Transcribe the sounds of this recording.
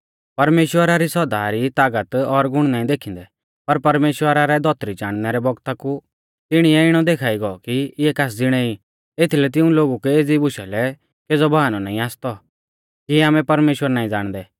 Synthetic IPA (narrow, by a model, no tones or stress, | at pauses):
pɐɾmeːʃwəɾaɾisɔd̪aːɾit̪aːɡət̪ɔɾɡʊɽ̃naːĩd̪eːkʰĩnd̪ɛ | pɐɾpɐɾmeːʃwəɾaɾɛd̪ʱɔt̪ɾid͡ʒaːɽ̃nɛɾɛbɔɡt̪aku | t̪ɪɽ̃iɛɪɽ̃ɔd̪eːkʰaːiɡɔɔkiɪɛkaːs̬d͡zɪɽ̃ɛi | et̪ʰilɛt̪̬ɪ̃ũloːɡukɛeːd͡zibʊʃɛlɛ | keːd͡zɔbaɦanɔnaːĩaːst̪ɔ | kiaːmɛ̃pɐɾmeːʃwəɾnaːĩd͡zaːɽ̃d̪ɛː